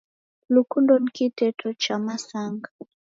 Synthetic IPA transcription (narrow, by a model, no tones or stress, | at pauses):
lukundɔnikitɛtʰɔt͡ʃamasaŋɡa